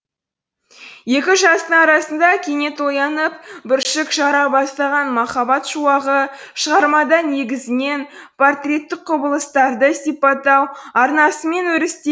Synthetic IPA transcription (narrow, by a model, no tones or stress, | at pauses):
je̞kʲɪʒɑst̪əɴɑɾɑsənd̪ɑkʲʰe̞ne̞t̪wo̞jɑnəpbɪɾʃɪkʃɑɾɑbɑst̪ɑʁɑnmɑχɑbɑt̪ʃuɑʁəʃəʁɑɾmɑd̪ɑne̞ɡʲɪzɪne̞npʰo̞rt̪rʲe̞t̪ːɪk̚qʰʊbəlˠəst̪ɑɾd̪əsijpɑt̪ɑwɑɾnɑsəme̞nwɵɾɪst̪e